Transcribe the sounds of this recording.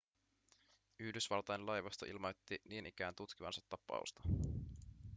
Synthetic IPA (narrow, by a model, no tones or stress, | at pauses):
yhdysʋɑlt̪ɑjenlɑjʋɑst̪oʔḭlmo̞jt̪ːiniːnʔik̟æːnt̪ut̪kiʋɑ̰nsɑ̥t̪ːɑpːˑɑ̰ṵst̪ɑ̥